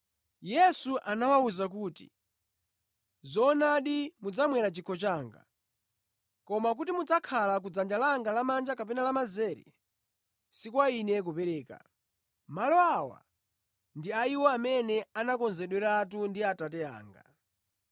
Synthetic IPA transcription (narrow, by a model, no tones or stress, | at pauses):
jɛsuʔanawauzak̬uːtḭ | zɔnaɗimud͡zamwɛɾat͡ʃikʰɔt͡ʃaːŋɡa̰ | kɔmak̬utimud͡zakʰalak̬ud͡zand͡ʒalaŋɡalamand͡ʒakapɛnalamazɛːɾɛ̰ | sikwainɛk̬upɛɾɛːka̰ | malɔawa̰ | ndiaiwɔamɛnɛanakɔnzɛɗwɛɾat̬undiatatɛa̰ːŋɡa̰